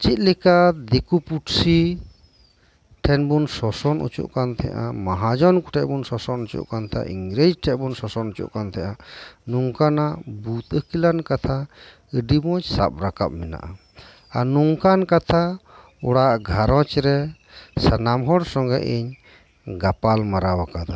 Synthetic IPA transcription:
t͡ʃit̪̚ˀlɛkad̪ekupuʈsi | ʈʰɛnbunsɔsɔnṵt͡ʃṵʔkant̪ʰɛʔamaɦad͡ʒɔnkuʈʰɛʔbunsɔsɔnut͡ʃṵʔkant̪ʰa̰ʔiŋɡɾed͡ʒʈʰɛʔbunsɔsɔnut͡ʃṵʔkant̪ʰɛʔanuŋkanabut̪̚əkilankat̪ʰa | əɖimɔt͡ʃsa̰p̚ɾaka̰p̚mɛna̰ʔa | anuŋkankat̪ʰa | uɽaʔɡʱaɾɔt͡ʃɾɛ | sanamɦɔɽsɔŋɡɛʔəɲ | ɡapalmaɾawakad̪ɔ

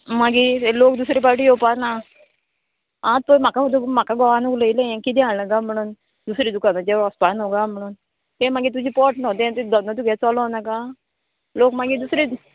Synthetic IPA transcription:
maɡielok̚d̪usɾip̬aɾʈ̬iopana | ãt̪̚pəjm̤akaud̪um̤akaɡɔʋanukləilẽẽkit̪ɛ̃aɭləɡam̤əɽ̃uːn | d̪usɾiːd̪ukanad͡ʑɛʋɾɔspanɔkam̤əɽ̃uːn | t̪ẽmaɡit̪ud͡ʑiːpɔʈnɔt̪ẽt̪d̪ɔnət̪̬uɡʱɛt͡sɔlɔnaka | lokmaɡid̪usɾi

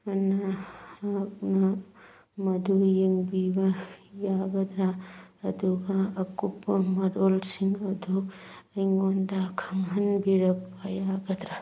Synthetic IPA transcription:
ɐnaak̚nɐ | mɐd̪ujeŋbibɐjaɡɐd̪ɾaɐd̪uɡɐːkupːɐmɐdolsiŋɐduɐjŋondakʰɐmɦɐnbiɾɐp̚ːajaɡɐd̪ɾa

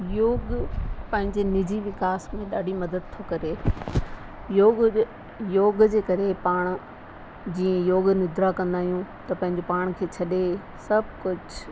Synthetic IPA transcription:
joːɡpɐ̃ɦɪ̃ɲd͡ʑenɪd͡ʑiʋɪkaːsmẽɗaːɖʱimɐd̪əd̪̚t̪ʰːokɐɾe | joː | joːɡd͡ʑeːkɐɾepaːɽ̃̆ | d͡ʑiːə̃joːɡnɪd̪ɾakɐ̃nd̪aːɦijũt̪ɐpɐ̃ɦɪ̃ɲd͡ʑopaːɽ̃kʰeːt͡ɕʰɐɗe | sɐb̚ʱkʊd͡ʑ

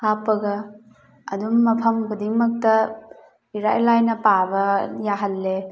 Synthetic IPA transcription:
hapːɐɡɐ | ɐdumːɐpʰɐmbudiŋmɐk̚tɐ | iɾajlajnɐpabɐjaɦɐlːe

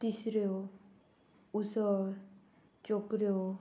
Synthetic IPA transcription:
t̪isɾeo | usɔɾ | t͡ɕokɾeo

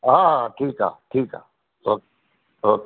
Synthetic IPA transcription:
ɦaːʈʰiːkɦa̰ːʈʰiːka̰ː | t̪oː | t̪oː

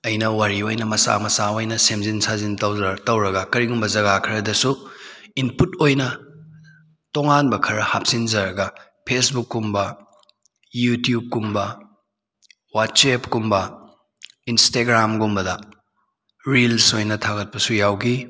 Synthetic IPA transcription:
ɐjnɐwaɾiojnɐmɐsa̰mɐsaojnɐsemzinsazintɐwzɐtɐwɾɐɡɐkɐɾiɡumbɐzɐɡakʰɾɐdɐsuinputojnɐ | toŋanbɐkʰɐɾɐhap̚sinzɐɾɐɡɐ | pʰesbukːumbɐ | jutjub̚kumbɐ | wat̚sepkumbɐ | insteɡɾamɡumbɐdɐ | ɾilsojnɐtʰaɡɐt̚pɐsujawɡi

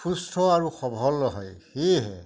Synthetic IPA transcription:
pʰustʰɔaɹuxɔbʱɔlɔɦɔjxeɦɛ̰

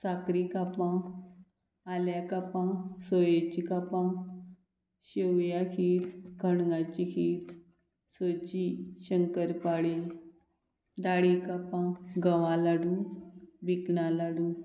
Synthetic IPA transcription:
sakɾikapã | aljakapãsojet͡ɕikapã | ɕewjakʰiːt̪kəɳŋɡãt͡ɕikʰiːt̪ | sot͡ɕiɕəŋkəɾpaɽi | d̪aɽikapãɡəʋãlaɽũbiknalaɽuː

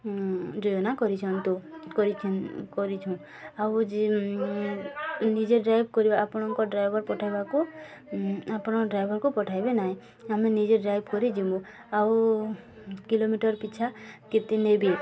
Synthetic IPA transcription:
d͡ʒɔjɔnakɔɾit͡ʃʰɔnt̪ukɔɾit͡ʃʰnkɔɾit͡ʃʰɔ̃ | awd͡ʒe | nid͡ʒeɖɾajbkɔɾibaːpñɔŋkɔɖɾajbʱɔɾpɔʈʰajbaku | apɽ̃ɔɖɾajbʱɔɾkupɔʈʰajbenaɦĩ | aminid͡ʒeɖɾajbkɔɾid͡ʒimu | aw | kilomiʈɔɾpit͡ʃʰaket̪inebi

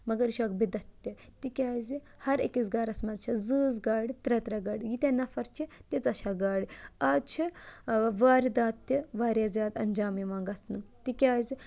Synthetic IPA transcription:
mɐɡɐɾiʃɐːk̚bid̪ɐt̪ʲːit̪ikʲaːzi | hɐɾekizɡaːɾɐsmɐzt͡ʃʰɐzɨːzɡaːɽit̪ɾet̪ɾɐɡɐːɽijit̪ʲɐnɐfɐɾt͡ʃʰit̪ʲit͡sɐʃaːɡaːɽiaːt͡ʃʰi | ʋaːɾid̪aːt̪ːiʋaːɾʲjaːzʲjaːd̪ɐnd͡ʒaːmiʋãːŋɡɐsnɨt̪ikʲaːzi

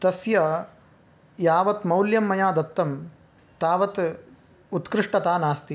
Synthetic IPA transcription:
t̪ɐsjɐ | jaːʋɐt̪mɐwljɐmːɐjaːd̪ɐt̪ːɐm | t̪aːʋɐt̪ | ut̪kɾɪʂʈɐt̪aːnaːst̪i

